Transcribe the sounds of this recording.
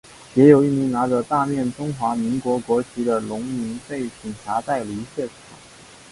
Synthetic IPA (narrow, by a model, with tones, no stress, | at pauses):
jɛ˧˥jo˨˩ʊi˥˩mi˧˥ŋna˧˥ʈ͡ʂə˧t̪a˥˧mjɛ˥˩nʈ͡ʂʊ˥ŋxwa˧˥mi˧˥ŋkwɔ˧˥kwɔ˧˥t͡ɕʰi˧˥d̪ə˧lʊ˧˥ŋmi˧˥ŋfe˥˩ɪpʰi˨˩ŋʈ͡ʂʰa˧˥t̪a˥˩ɪli˧˥ɕɥɛ˥˩ʈ͡ʂʰɑ˨˩˦ŋ